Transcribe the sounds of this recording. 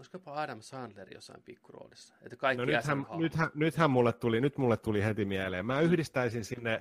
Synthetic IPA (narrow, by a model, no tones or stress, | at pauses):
oskopɑɑːdɑmsɑnd̥̪lerijo̰sːɑ̰impikːuro̰ːlisːɑ̥ḛt̪ːækɑiknonyhæmnyt̪hænyt̪hæmmulːet̪t̪ulinyt̪mulːet̪t̪ulihet̪imiæleːmmæːyhdist̪æisinsinːe